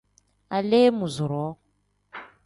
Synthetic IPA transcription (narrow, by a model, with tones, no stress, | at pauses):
a˨le˦mu˨zʊ˨ɾɔ˦